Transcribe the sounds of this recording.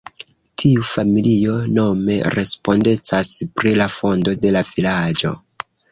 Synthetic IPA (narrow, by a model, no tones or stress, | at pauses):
tʰiufamilio̞no̞me̞ɾe̞spo̞nde̞t͡saspɾilafo̞ndo̞de̞lav̥ilad͡ʒo̞̰